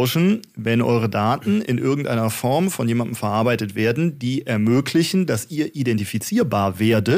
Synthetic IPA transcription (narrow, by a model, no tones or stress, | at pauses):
ʊʃn̩ | vɛnʔɔ̰ʏʁ̞ədaːtn̩ɪnʔɪɐɡŋ̩tʔaɪnɐfɔɐmfɔnjeːmandəm̩fɛɐʔaɐbaɪtətv̥eːɐdn̩diːʔɛɐmøːkʰlɪçn̩dasiːɐʔidɛntifit͡siːɐbaːɐveːɐdə